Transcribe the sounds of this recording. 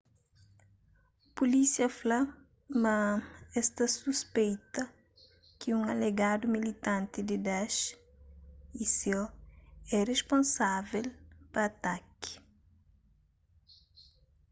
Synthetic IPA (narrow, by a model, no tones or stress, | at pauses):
pulisiɐfla | mɐɛst̪ɐsuspejt̪ɐ | kɪũŋɐleɡad̪ʊmilit̪ãnt̪ɪd̪ɪd̪aʃ | isewɛrespõnsavelpɐːt̪akɪ̥